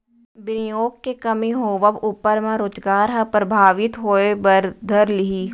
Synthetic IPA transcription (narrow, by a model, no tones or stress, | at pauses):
bɪnɪjoːkːekɐmiɦoːʋəbuːpəɾmẽɾoːd͡ʒɡaːɾɦɐ̃pɾɐbʱaːʋɪt̪ɦoːebəɾd̪ʱəɾlɪɦiː